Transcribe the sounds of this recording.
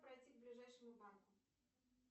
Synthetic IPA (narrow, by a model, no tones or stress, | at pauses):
pɾɐjtʲiɡ̚blʲɪʐajʂɨmʊbankʊ